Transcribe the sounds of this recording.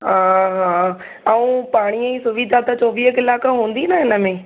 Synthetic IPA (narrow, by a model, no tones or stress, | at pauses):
ɦãːɦãː | ɐũːpaːɽ̃iəisʊʋid̪ʱat̪ɐt͡ɕɔːʋiːɦəkɪlaːkɦũːn̆d̪inəɪnəmẽ